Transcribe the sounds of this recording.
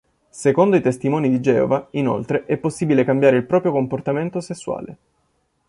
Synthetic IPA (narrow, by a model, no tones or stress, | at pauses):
sekond̪oit̪est̪imɔːnid̪id͡ʒɛ̰ːo̰vaino̰lt̪ɾeʔɛpːosːiːbilekambjaːɾeilpɾɔːpɾjokomport̪ament̪osesːwa̰ːle